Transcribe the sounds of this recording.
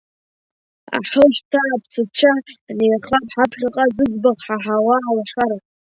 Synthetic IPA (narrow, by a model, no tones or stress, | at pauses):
a̰ħəʒtʰaːpʰt͡sʰɨt͡ʃʷʰanejχapʰħapʰχʲaqʼazɨd͡zbaʁħaħawaalaχaɾa